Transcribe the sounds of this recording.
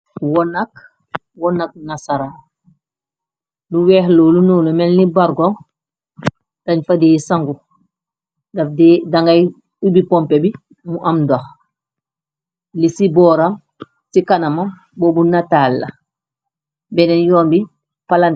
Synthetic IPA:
wɔnak | wɔnak̚nasaɾa | luwɛːhloːlunuːlomɛlnibaɾɡoŋ | d̥ɐɲfadeisaŋɡu | dafdɛdaŋɡaj | ubipɔmpebi | muʔamdox | lisibɔːɾam | sikanamam | boːbunatalːɐ̰ | bɛnɛnjɔːmbi | palan

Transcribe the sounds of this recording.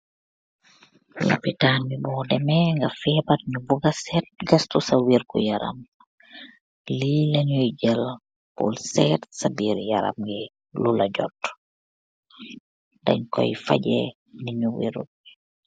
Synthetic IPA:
la̰pitaːnmibɔːdɛmɛŋɡafɛpɐt̚ɲubuɡɐsɛt̚ɡɐstusɐwirkṵjɐɾɐ̰m | lilɐɲujɟəl | pṵlsɛtsabiːɾjɐɾɐ̰mɡɛ | lulɐɟɔ̰t | dɐ̰ɲkɔ̰jfɐ̰ɟɛ̰ | niɲuwḭɾṵt̚

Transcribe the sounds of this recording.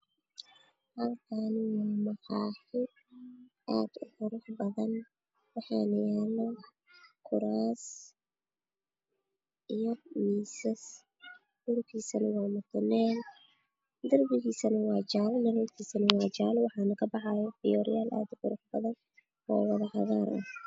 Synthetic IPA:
hɐlkʰanwɑːmɐqɑːħɪ | ʔaːd̪̥ʊqʊɾʊħbɐðɐn | wɑħɑnɐjaːnɐ | kʰʊɾaːs | ʔijɔwiːsɐs | d̪ʊɾk̚kʰiːsɐnɐwɑːmʊt̪ʰʊnɛːl | d̪ɐrbɪɣiːsɐnɐwɑːt͡ʃaːlnɐɾɔːk̪ʰiːsɐnɐwɑːt͡ʃaːlwɑħɑːnɐkʰɐbɑħɑjɔfɪjɔːɾɪjaːlʔa̰ːd̪ʊħʊɾʊħbɐðɐn | ɔ̰ːwɑðɐħɑɣaːɾʔɐ̰

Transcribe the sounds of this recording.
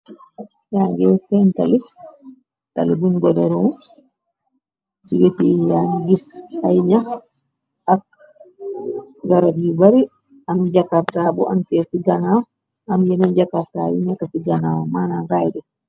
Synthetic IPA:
jaɡɛsɛnta̰li | ta̰libunɡɔdɛɾɔmu | siwetijanɡisajɲa | ak | ɡaɾabiubaɾi | amd͡ʒakaftabɔʔantɛsiɡanaw | amjɛnand͡ʒakafta̰jiɲakasiɡanawamanaɡajdɛ

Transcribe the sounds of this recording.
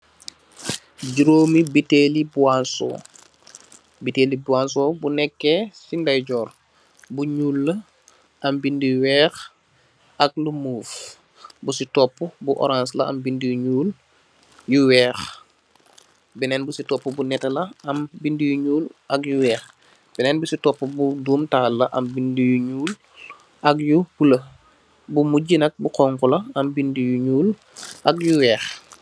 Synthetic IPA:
ɟiɾoːmibitelibuansɔ̰ | bitelibuans̬ɔːbunɛkːɛsindajɟɔːr | buɲuːlːɐ | ʔɐmbindiwɛːx | ɐk̚lumuːf | busitɔpːubuʔɔ̰ɾãnslɐɐmbindijuɲuːl | juwɛːx | bɛnɛːnbusitɔpːubunɛtɐlɐɐmbindijuɲuːlʔɐkjuwɛːx | b̥ɛnɛnbusitɔpːubuduːmtaːlːɐʔɐmbindijuɲuːl | ʔɐkjupulɐ | bumuɟinɐk̚buqɔŋkulɐɐmbindijuɲuːl | ʔɐk̚juwɛːx

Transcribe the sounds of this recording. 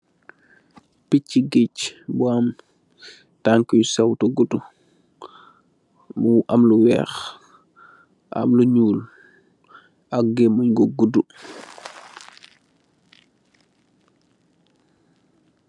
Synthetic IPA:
picːiɡicbuam | taŋkujsɛwtuɡudu | muʔamluwɛ̰ːx | ʔa̰mluɲuːl | ak̚ɡemuɲɡoɡudu

